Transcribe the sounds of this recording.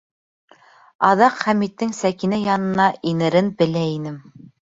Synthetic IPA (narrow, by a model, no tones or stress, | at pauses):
ɑðɑqχæmit̪ːɘŋsækinæjɑnɤ̆nɑʔinɘ̆ɾɘnbɘ̆læinɘm